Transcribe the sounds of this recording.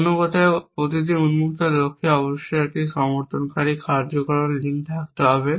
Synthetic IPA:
nokɔt̪ʰaepɾot̪id̪iunmuk̚t̪elokʰːeɔboʃːoɛk̚ʈiʃɔmoɾt̪ʰonkaɾikʰaɾd͡ʑokɔɭonliŋɖ̪ak̚t̪eɦɔbe

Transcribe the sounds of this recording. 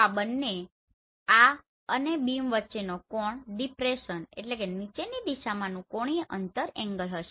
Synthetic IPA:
abənːe | a | ənebimʋətːʃenokɔɳɖipɾeʃənḛʈlekenit͡ʃenid̪iʃamãnũkoɳ̃iʔənt̪əɾɛ̃ŋɡəlɦəʃe

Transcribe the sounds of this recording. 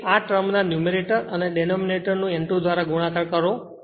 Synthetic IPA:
aʈɾəmnanjumeɾeʈəɾəneɖenomineʈəɾnũeɳʈod̪ʋaɾaɡuɽ̃akaɾkəɾo

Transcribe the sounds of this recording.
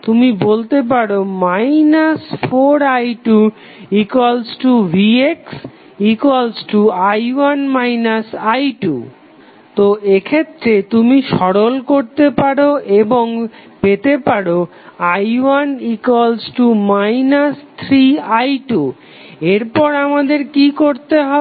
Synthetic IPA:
t̪umibolt̪ep̬aɽomajnasfʰoɾajʈu | ikwalsʈubʱieks | ikwalsʈuajwanmajnasajʈṵ | t̪oekʰet̪ːɾet̪umiʃɔɽolkoɾt̪epaɽoeboŋpet̪epaɽo | ajwanikwalsʈumajnast̪ʰɾiajʈu | eɾpɔɾamad̪eɾkikoɾt̪eɦɔ

